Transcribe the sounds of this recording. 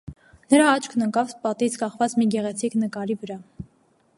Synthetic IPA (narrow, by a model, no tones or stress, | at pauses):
nəɾɑɑt͡ʃʰkʰnəkɑvpɑt̪it͡sʰkɑχvɑt͡smiɡɛʁɛt͡sʰiknəkɑɾivəɾɑ